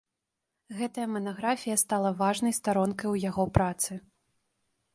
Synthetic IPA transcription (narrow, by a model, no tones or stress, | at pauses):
ɣɛt̪ɐjɐmɐnaɣɾafʲijɐst̪alˠɐvaʐnɐjst̪aɾɔnkɐjwjaɣɔpɾat̪sɨ